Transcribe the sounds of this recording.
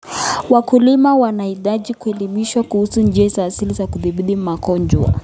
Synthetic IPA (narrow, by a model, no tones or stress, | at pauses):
wakulimawanaiɗaʄikuɛlimiʃwakuhusund͡ʒɛzaːsilizakuðiɓiɗimakɔɲd͡ʒwa̰